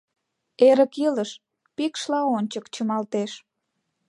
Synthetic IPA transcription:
eɾəkiləʃ | pikʃlɑonʲt͡ɕəkt͡ɕəmɑlt̪eʃ

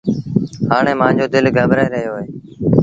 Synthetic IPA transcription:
haːɳeːmãːɲd͡ʒoːd̪ɪlɡʱəːbɾaeːɾəɦjoːɦeː

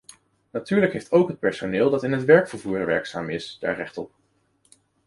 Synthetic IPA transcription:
natyːɹləkɦejftowkɦət̚pɛɹsonɪːlˠdɑtɪnɦətʋɛɹkfəɹvuːɹʋɛ̰ɹksaːmɪsd̥a̰ːɹrɛχtɔ̰p̚

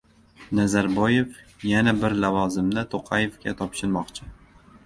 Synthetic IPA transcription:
nazaɾbɒje̞fjanabɪɾlavɒzɪmd̪at̪ʰoqʰɑjefɡʲat̪ʰɒpʃɪɾmɒqt͡ʃʰɪ

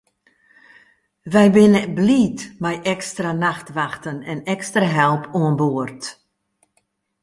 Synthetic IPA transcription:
ʋɛjʋɪnɛbliːtmɛjʔɛkstranaxtʋaxtənɛnɛkstraɦɛlˠpʰuənboərt

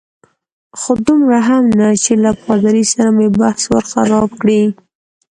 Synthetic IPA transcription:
xod̪ʊmɾaɦamnat͡ʃelapɣɑd̪aɾisaɾamebahswə̰ɾxa̰ɾɑb̚kɽi

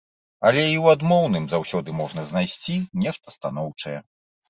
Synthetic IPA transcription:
ɐlʲɛiwad̪mɔwnɨmzawsʲɔd̪ɨmɔʐnɐzʲnajsʲt͡sʲinʲɛʂt̪ɐst̪an̪ɔwt͡ʂɐjɛ

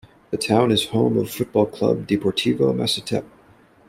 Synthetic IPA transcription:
ðɨtʰãʊ̃nɨz̥hõʊ̃mʌv̥fʊt̚b̥ɔlˠkʰl̥ʌ̰b̚dipʰɔɹtʰivoʊmæ̰sɨtʰɛ̰p̚

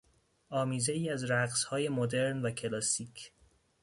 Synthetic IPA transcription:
ʔɒːmiːze̞iːæzɾæɡzhɒːje̞mod̪e̞ɾnvæcʰe̞lɒːsiːcʰ

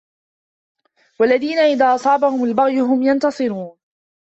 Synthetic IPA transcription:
walːaðiːnaʔɪðaːʔɑsˤɑːbahʊmalbaɣjʊɦʊmjant̪ɑsˤɨɾuːn

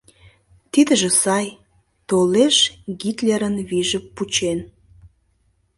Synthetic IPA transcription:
t̪id̪ə̆ʒĕsɑj | t̪oleʃɡit̪leɾənβiʒəpːut͡ɕen

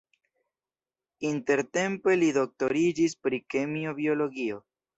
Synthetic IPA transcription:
inte̞ɾte̞mpe̞lido̞k̚to̞ɾid͡ʒispɾikemio̞bio̞lo̞ɡio̞

